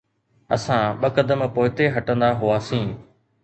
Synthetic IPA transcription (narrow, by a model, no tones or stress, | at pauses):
ə̰sãːɓəkəd̪əmpoːɪt̪eɦɐʈə̃nd̪aːɦʊaːsĩː